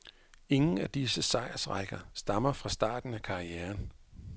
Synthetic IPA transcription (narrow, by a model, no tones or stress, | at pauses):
e̝ŋn̩æd̥isəsɑ̈ɪɐsʁaɡ̥ɐsd̥ɑ̈mɐfʁɑ̈sd̥ɑ̰̈ːd̥n̩ækʰɑ̈ʁieːɐn